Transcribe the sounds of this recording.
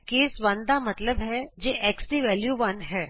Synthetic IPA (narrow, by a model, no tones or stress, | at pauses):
keːsʋɐ̃nd̪amɐt̪ləbɦɛd͡ʒeːʔɛːksɖiʋɛːljuʋɐnɦɛː